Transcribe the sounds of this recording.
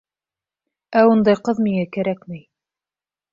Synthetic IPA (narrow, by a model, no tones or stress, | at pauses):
æund̪ɑjqɤðmiŋækæɾækmɘj